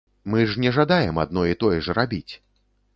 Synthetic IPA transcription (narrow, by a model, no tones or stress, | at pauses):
mɨʐnʲɛʐad̪ajɛma̰d̪nɔit̪ɔjɛʐrabʲit͡sʲ